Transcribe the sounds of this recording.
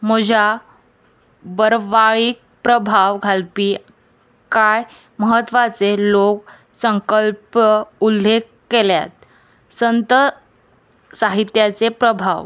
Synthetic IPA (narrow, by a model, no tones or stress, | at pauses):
məd͡ʑʱa | bəɾʋaɭiːk̚pɾəbʱaʋɡʱalpiː | kaj | məɦət̪ːʋat͡selok | səŋkəlpəulːekːelja̰t̪̚ | sənt̪ə | saɦit̪jat͡sepɾəbʱa̰ʋ